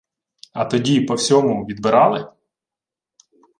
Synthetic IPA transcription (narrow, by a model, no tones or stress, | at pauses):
ɐt̪ɔdʲipɔwsʲɔmʊʋʲid̪̚bɪɾɑlˠɪ